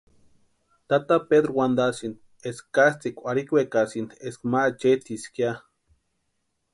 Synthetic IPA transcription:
t̪at̪apeðɾowand̪asin | eskːast͡sikʷaɾikwekasineskmat͡ʃet͡siskia

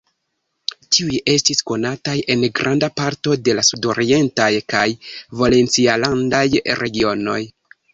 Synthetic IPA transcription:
tiuje̞stisko̞natajʔe̞nɡɾʔandapaɾto̞de̞lasudo̞ɾie̞ntajkajvale̞nt͡sialandajɾʔe̞ɡio̞no̞j

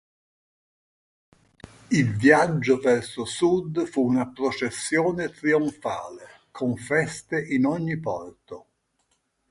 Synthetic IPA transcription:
ilvjad͡ʒːovɛrsosud̪fuːnapɾot͡ʃesːjoːnet̪ɾioɱfa̰ːle | kʰoɱfɛst̪eʔinɔɲːipɔ̰rt̪o

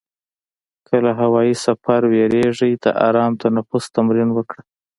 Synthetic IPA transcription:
kʰəlaɦawɑjisafaɾweɾeʐəjd̪a̰ʔa̰ɾɑmt̪anafust̪amɾinwəkɽə

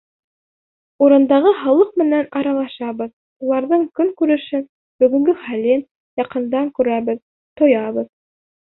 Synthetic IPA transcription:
uɾɤ̆nd̪ɑʁɤɦɑlˠɤqmɘ̆nænɑɾɑlˠɑʃɑβɤð | ulˠɑɾðɤɴkɵŋkʉɾɘ̆ʃɘn | bɵ̆ɡɵ̆ŋɡɵχælin | jɑqɤ̆nd̪ɑŋkʉɾæβɘð | t̪ŏjɑβɤð

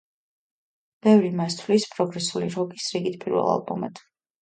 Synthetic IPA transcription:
b̥ɛvɾimast̪ʰvlispʼɾɔɡɾɛsuliɾɔɡisɾiɡit̪̚ʰpʼiɾvɛ̰lˠa̰lˠbɔmɛ̰t̪ʰ

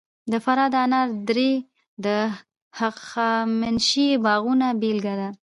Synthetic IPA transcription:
d̪əfaɾɑd̪əanɑɾd̪ɾe | d̪ə | haqamɪnʃibɑɣunabelɡad̪a

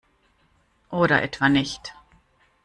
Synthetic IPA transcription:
ʔoːɾɐ̰ʔɛ̰tv̥anɪçt

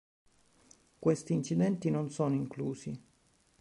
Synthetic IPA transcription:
kwest̪iːnt͡ʃid̪ɛnt̪inonsoːnoiŋkluːsi

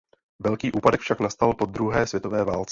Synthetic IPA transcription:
vɛlkiːʔuːpadɛkfʃaknast̪alpo̞d̪ɾuɦɛːsvjɛt̪o̞vɛːvaːlt͡sɛ

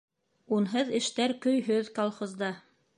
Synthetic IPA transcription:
unɦɤðɘ̆ʃt̪æɾkɵ̆jɦɵðkolˠχozd̪ɑ

